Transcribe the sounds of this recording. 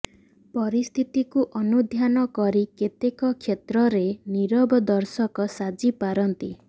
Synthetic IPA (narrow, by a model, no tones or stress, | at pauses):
pɔɾist̪ʰit̪ikuʔɔnud̪ʱjanɔkɔɾiket̪ekɔkʰjet̪ɾɔɾeniɾɔbɔd̪ɔɾsɔkɔsad͡ʒipaɾɔnt̪i